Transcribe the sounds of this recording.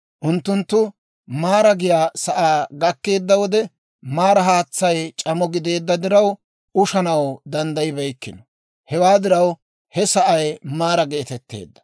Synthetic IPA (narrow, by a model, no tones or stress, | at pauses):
ʔʊnt̪ːʊnt̪ːʊ | maːɾɐɡɪjaːsɐʔaːɡɐkːe̞ːd̪ːɐwɔd̪ɛ | maːɾɐɦaːt͡sːɐjt͡ʃʼɐmɔɡɪd̪e̞ːd̪ːɐd̪ɪɾɐw | ʔʊʃɐnɐwd̪ɐnd̪ɐjɪbɐjkːɪnɔ | hɛwaːd̪ɪɾɐw | hɛsɐʔɐjmaːɾɐɡeːt̪ɛt̪ːḛːd̪ːɐ̥